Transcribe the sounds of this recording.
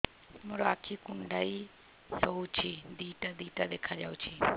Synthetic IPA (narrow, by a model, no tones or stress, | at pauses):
moɾoakʰikuɳɖai | sout͡ʃʰid̪iːʈad̪iːʈad̪ekʰad͡ʒaut͡ʃʰi